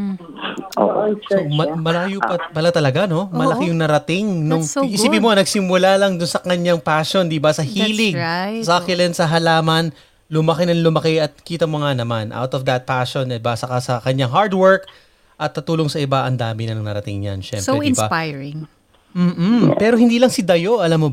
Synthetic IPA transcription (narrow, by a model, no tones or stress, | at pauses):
somɐmɐlaːjupɐpɐlat̪ɐlɐɡano̞mɐlɐkɪjʊŋnɐɾɐt̪ɪŋnoŋɪipɪmonɐɡ̚sɪmːʊlalɐŋd̪ʊnsɐkɐɲːaŋpaːʃond̪ibasɐhiːlɪŋsɐɐkɪlɛnsɐɦɐlaːmɐn | lʊmɐkɪnɐŋlʊmɐkɛʔɐt̪̚kiːt̪ɐmoŋanɐmanʔa̰wt̪ofd̪ɐt̪̚paʃonɐbasɐkɐsɐkɐɲaŋɦaɹd̪wɛɹk | ʔɐt̪ːɐt̪uːloŋsɐʔɪbaʔɐnd̪aːmɪnɐnɐŋnɐɾɐt̪ɪ̰ŋɲa̰nʃɛ̰mpsɪinbapajɹɪŋ | m̩ːpɛɾo̞ɦɪnd̪iːlɐŋsɪd̪ɐjoʔɐlamːo